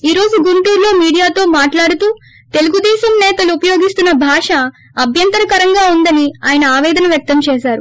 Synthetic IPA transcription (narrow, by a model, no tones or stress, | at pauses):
iːɾo̞ːd͡ʒuɡuɳʈuːɾlo̞ːmiːɽijaːt̪o̞ːmaːʈlaːɽut̪uː | t̪e̞luɡud̪ɛːsɐmnɛːt̪ɐluupɐjo̞ːɡist̪unːɐbʱaːʂɐ | ɐbʱjɐnt̪ɐɾɐkɐɾɐŋɡaːund̪ɐniaːjɐnɐaːʋɛːd̪ɐnɐʋjɐk̚t̪ɐmt͡ʃɛːsaːɾu